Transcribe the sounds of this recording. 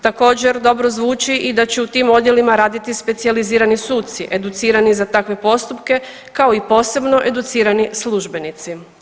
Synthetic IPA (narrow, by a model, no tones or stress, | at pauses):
t̪ako̞ːd͡ʑe̞ɾd̪o̞bɾozʋuːt͡ʃiʔid̪at͡ɕeut̪iːmo̞d̪je̞limaɾaːd̪it̪ispe̞t̪sializiːɾanisuːt̪t̪siʔe̞d̪ut̪siːɾanizat̪akʋe̞po̞st̪upke̞ | kao̞ipo̞ːse̞bno̞ʔe̞d̪ut̪siːɾanislˠuʒbe̞nit̪si